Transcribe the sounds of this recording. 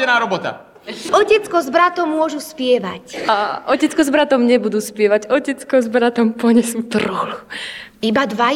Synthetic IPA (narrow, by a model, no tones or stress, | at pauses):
ɛnaːɾɔbɔt̪a̰ | ɔcɛt͡skɔzbɾat̪ɔmːʊɔʒuspɪɛʋacaɔcɛt͡skɔzbɾat̪ɔmɲɛbud̪uːspɪɛʋaɟɔcɛt͡skɔzbɾat̪ɔmpɔɲɛsuːt̪rɔluibad̪ʋa